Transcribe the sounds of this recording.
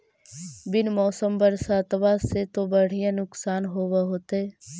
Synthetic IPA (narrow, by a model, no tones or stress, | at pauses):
bɪnmɔːsəmbəɾsaːt̪ʋaset̪obəɽ̤ijãnʊksaːnɦoːʋaɦoːt̪e